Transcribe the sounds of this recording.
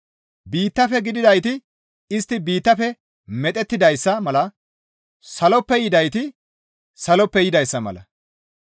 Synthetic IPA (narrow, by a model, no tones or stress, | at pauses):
biːt̪ːɐfɛɡɪd̪ɪd̪ɐjt̪ɪ | ɪst̪ːɪbiːt̪ːɐfɛ | mɛt̪ʼɛt̪ːɪd̪ɐjsːɐmɐlɐ | sɐlɔpːɛjɪd̪ɐjt̪ɪ | sɐlɔpːɛjɪd̪ɐjsːɐmɐ̰lɐ̰